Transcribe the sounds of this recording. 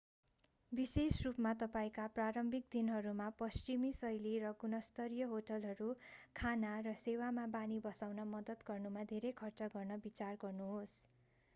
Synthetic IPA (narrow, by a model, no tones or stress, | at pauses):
bisesrupmat̪ʌpaĩkapraɾʌmbʱik̚d̪inɦʌɾumapʌst͡ʃimisʌjliɾʌɡunʌst̪ʌɾjʌɦoʈʌlɦʌɾukʰanarʌsewamabanibʌsawnʌmʌd̪ʌt̪ɡʌrnumad̪ʱeɾekʰʌrt͡sʌɡʌrnʌbit͡sarɡʌrnuɦos